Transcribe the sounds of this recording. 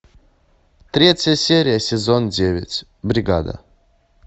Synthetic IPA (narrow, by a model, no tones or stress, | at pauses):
t̪ɾʲetʲjəsʲeɾʲɪjəsʲɪzondʲevʲɪ̰t͡sʲ | bɾʲɪɡa̰d̪ə̰